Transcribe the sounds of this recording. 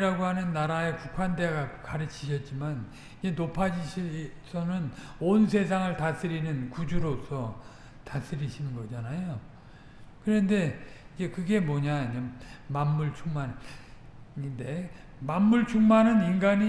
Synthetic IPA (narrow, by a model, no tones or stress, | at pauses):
ɾaɡoɦanɯnːaɾae̞kukʰwande̞ɡakaɾɯt͡ɕʰi̥ɕ̬ʰʌt̚t͡ɕ͈iman | id͡ʑe̞nopʰad͡ʑiɕʰisʰʌnɯnonsʰe̞s̬ʰaŋɯɭtas͈ɯɾinɯnkud͡ʑuɾosʰʌ | tas͈ɯɾiɕʰinɯnɡʌd͡ʑanajo | kɯɾʌnde̞id͡ʑe̞kɯɡe̞mwʌɲaiemamːuɭt͡ɕʰuŋmanɯ | nde̞ | mamːuɭt͡ɕʰuŋmanɯniŋɡaɲi